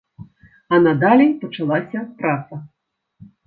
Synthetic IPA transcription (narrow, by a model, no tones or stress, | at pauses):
ɐnɐd̪alʲipɐt͡ʂalˠasʲɐp̪ɾat̪sɐ